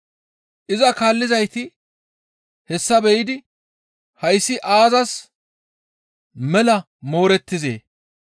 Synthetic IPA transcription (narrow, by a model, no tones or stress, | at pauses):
ʔɪzɐkaːlːɪzɐjt̪ɪ | hɛsːɐbɛjɪd̪ɪ | hɐjsːɪʔaːzɐs | mɛlɐ | mo̞ːɾɛt̪ːɪzḛː